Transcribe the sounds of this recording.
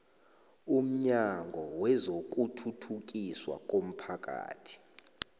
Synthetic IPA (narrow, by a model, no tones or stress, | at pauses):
um̩ɲaŋɡʱɔwɛzok̬ʼutʰutʰukʼiswa̰k̬ʼom̩pʰak̬ʼa̰ːtʰi̥